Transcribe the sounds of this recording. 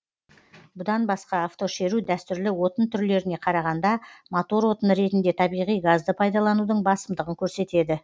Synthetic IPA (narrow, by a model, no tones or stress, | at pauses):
bʊd̪ɑnbɑsqɑːft̪o̞ʃe̞ɾud̪æst̪ʏɾlɪwo̞t̪ənt̪ʰʏɾle̞ɾɪne̞qʰɑɾɑʁɑnd̪ɑmot̪o̞ɾwo̞t̪ənɾe̞t̪ɪnd̪e̞t̪ʰɑbijʁijɡazd̪əpʰɑjd̪ɑlˠɑnud̪əɴbɑsəmd̪əʁəŋkʲʰɵɾse̞t̪e̞d̪ɪ